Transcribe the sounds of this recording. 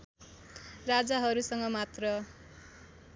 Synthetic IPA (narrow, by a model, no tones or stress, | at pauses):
rad͡zaɦʌɾusʌŋɡʌmat̪rʌ